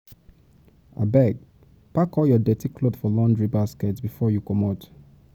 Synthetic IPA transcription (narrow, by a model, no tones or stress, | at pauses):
a̰bɛɡ̚ | pakɔljɔdɛtikʰlodfɔlɔ̃ndɹibaskɛtsbifɔjukɔmɔt